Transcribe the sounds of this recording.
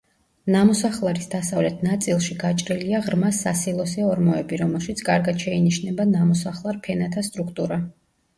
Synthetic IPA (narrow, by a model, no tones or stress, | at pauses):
namɔsaχlˠaɾisd̪asavlɛt̪ʰnat̪sʼilˠʃiɡ̥at͡ʃʼɾiliaʁɾmasːasilˠɔsɛɔɾmɔɛbiɾɔmɛlˠʃit̪sʰkʼaɾɡad̪̥ʃɛiniʃnɛbanamɔsaχlˠaɾpʰɛnat̪ʰast̪ʼɾukʰt̪ʼuɾa